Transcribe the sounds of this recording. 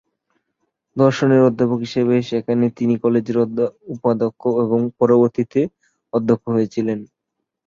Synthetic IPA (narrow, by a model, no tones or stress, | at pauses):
d̪ɔɾʃoneɾod̪ʱːapokɦiʃeβeʃekʰanet̪inikɔled͡ʑeɾd̪upad̪okʰːoeβoŋpɔɾoboɾt̪it̪e | ɔd̪ʱːokʰːoɦojet͡ɕʰilen